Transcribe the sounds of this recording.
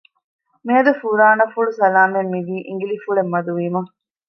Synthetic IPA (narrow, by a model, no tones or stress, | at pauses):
miɐd̪ufuɾaːnɐfuɭusɐlaːmemːiʋiːʔiŋɡilifuɭemːɐd̪uʋimɐ